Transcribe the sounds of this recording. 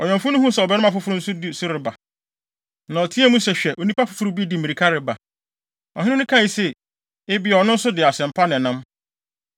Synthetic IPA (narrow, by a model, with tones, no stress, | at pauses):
ɔ˨ɲɔ̃˨mfʊ˦nʊ̃˦hũ˦sɛ˨ɔ˨bɛ˦nɪ̃˦mã˨fʊ˦fʊ˦ɾʊ˦n̩˦sʊ˦dɪ˦sʊ˦ɾɪ˨ba˨ | nã˨ɔ˨tʰi˦æ˦mũ˦sɛ˨ɕᶣɛ˨ʔo˨nĩ˦pa˦fʊ̥˦fʊ˦ɾu˦bi˦dɪ˦mi˨ɾi˨kʰa˦ɾɪ˨ba˨ | ɔ˨ɦɪ̃˦nʊ̃˦nʊ̃˦kʰã˦i˨sɛ˨ | ɪ˦bɪ˦ɔ˨˦nʊ̃˦n̩˦sʊ˦dɪ˨a˨sɛ̃˨m̩˨pʰa˦nɪ̃˨nʊ̃˦m